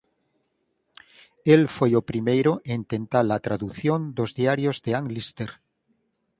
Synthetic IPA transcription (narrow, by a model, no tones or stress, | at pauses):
elfwejopɾimejɾoʔent̪ẽ̞nt̪alat̪ɾaðuθjo̞nd̪o̞zðiaɾjozðeaŋlist̪eɾ